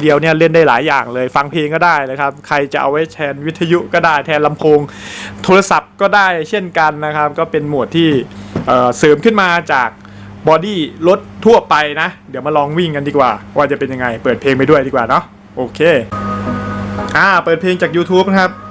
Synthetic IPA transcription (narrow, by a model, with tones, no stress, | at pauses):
di˧əwni˥˩ɐle˥˩ndaː˥˩laː˩˦jːaː˨˩ŋlɤː˧jfa˧ŋpʰeː˧ŋkɔː˥˩daː˥˩jlaː˧˩kʰa˦˥p̚kʰɾa˧jt͡ɕa̰˨˩ʔa̰˧wa˦˥jt̪ʰɛː˧nwi˦˥t̪ʰːa˧ju˦˥ʔkɔː˥˩daː˥˩jt̪ʰɛː˧nla˧mpʰoː˧ŋt̪ʰoː˧ɾa˧sa˨˩p̚kɔː˥˩daː˥˩jt͡ɕʰe˥˩nka˧nːa˦˥kʰa˦˥p̚kɔː˥˩pe˧nmu˨˩ət̪ʰːiː˥˩ʔɤː˨˩sɤː˩˦mkʰɯ˥˩nmaː˧t͡ɕaː˨˩k̚ | bɔː˧diː˥˩lo˦˥t̪̚ʰːu˥˩ɐpa˧jna˦˥ʔdi˩˦əwmaː˧˥˩lɔː˧ŋwi˥˩ŋka˧ndiː˧kwaː˨˩waː˥˩t͡ɕa˨˩pe˧nja˧ŋːa˧jpɤː˨˩t̪̚pʰeː˧ŋpa˧jdu˥˩ədiː˧kwaː˨˩nɔ˦˥ʔ | ʔoː˧kʰeː˧ | ʔaː˧˩pɤː˨˩t̪̚pʰeː˧ŋt͡ɕaː˨˩k̚juː˧t̪ʰuː˦˥p̚na˥kʰa˦˥p̚